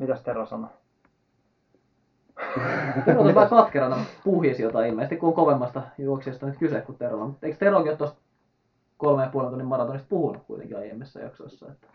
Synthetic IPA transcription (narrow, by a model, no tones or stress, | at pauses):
mit̪æst̪erosɑno | t̪rot̪olʋɑːˑkɑt̪keɾɑnɑpuhjisjot̪ɑiilmeisest̪ikuoŋkoʋemːɑst̪ɑjuoksiːst̪ɑnyt̪kysekkut̪erʋɑ̰mut̪ːeikst̪eroˑkiot̪ːost̪̚ | kolmejɑpuolent̪unːimɑrɑt̪onist̪̚puhunukkṵit̪ḛŋkiɑ̰jḛmːesːɑ̰jɑ̰ksoesːɑ̰et̪ːæ̥